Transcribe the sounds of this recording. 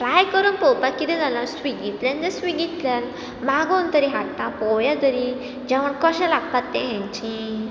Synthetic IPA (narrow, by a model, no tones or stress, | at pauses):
ɾajkəɾuːnpɔwpakːit̪ɛ̃d͡zalasʋiɡit̪ljãnd͡zesʋiɡit̪ljan | maɡõnt̪əɾiɦaʈtãpɔjad̪əɾĩ | d͡ʑɛʋ̤əɳkəɕɛ̃laɡ̚pat̪ːẽɦɛ̃ɲt͡ɕĩ